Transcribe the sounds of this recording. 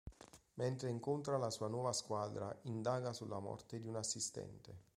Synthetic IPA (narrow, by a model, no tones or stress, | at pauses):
ment̪ɾeiŋkont̪ɾalasuːanwɔːvaskwaːd̪ɾa̰ind̪aːɡasulːamɔ̰rt̪ed̪iunasːist̪ɛ̰nt̪e